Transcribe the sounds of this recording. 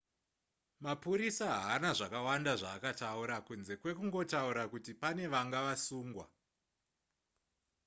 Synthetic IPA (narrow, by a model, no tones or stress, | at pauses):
mapuɾisaɦaːnaʐakawandaʐaːkatauɾakunze̞kwe̞kuŋɡo̞tauɾakutipane̞ʋaŋɡaʋasuːŋɡwa̰